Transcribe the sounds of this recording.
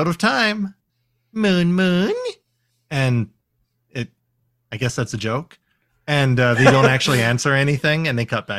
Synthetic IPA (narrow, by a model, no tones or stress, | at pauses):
ʊɾʌv̥tʰãɪ̃m | mʉ̃nmʉ̃n | ɨ̃n | ɪɾ̚ | aɪɡɛsðætsɨd͡ʒoʊk | ɨ̃nʌðeɪdõʊ̃ntæk̚t͡ʃʉl̩ˠiæ̃nsə˞ɛniθɪ̃ŋɨ̃nðeɪkʰʌt̪̚bæ